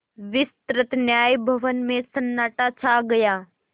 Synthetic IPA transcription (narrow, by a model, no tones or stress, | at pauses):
ʋɪst̪ɾət̪njaːjbʱɐʋənmẽsɐnːaːʈat͡ʃʰaɡɐjaː